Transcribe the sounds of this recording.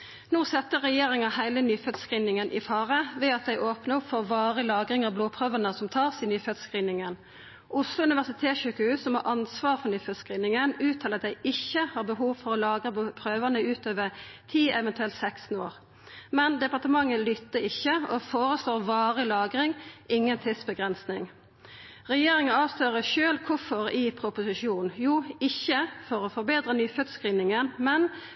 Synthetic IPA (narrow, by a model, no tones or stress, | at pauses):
nuːsɛt̪ːəʁɛjeːʁɪŋɑhæɪlənyːfœt̪skʁiːnɪŋənʔɪfɑːʁəʋɛːɑt̪̚d̪ɛɪʔoːpnəʊpfɔʁʋɑːʁəlɑːɡʁɪŋɑʋbloːpʰʁøːʋənəsɔmt̪ʰɑːʁsɪnyːfœt̪skʁiːnɪŋən | ʔʊslʊʉnɪʋæʁsɪt̪ʰeːt̪çʉːkəhʉːssɔmhɑʔɑnsʋɑːʁfɔʁnyːfœt̪skʁiːnɪŋənʉːt̪ʰɑːlɑt̪d̪ɛɪʔɪçːəhɑʁbəɦuːʋfɔɾɔlɑːɡʁəbpʰʁøːʋənəʉːt̪ʰøːʋəʁt̪ʰiːɛʋɛnt̪ʉɛlt̪sɛkst̪n̩oːʁ | mɛnd̪ɛpɑʁt̪əmɑŋːəlʏt̪ːəɪçːəɔfoːʁəsloːʁʋɑːʁəlɑːɡʁɪŋʔɪŋːənt̪ʰɪsbəɡʁɛnsnɪŋ | ʁɛjeːɾɪŋənɑːʋsløːʁəʃøːlkʰʊfɔʁɪpʰɾʊpʊsɪʃuːnnjuːɪçːəfɔɾɔfɔɾbeːd̪ʁənyːfœt̪skʁiːnɪŋənmɛn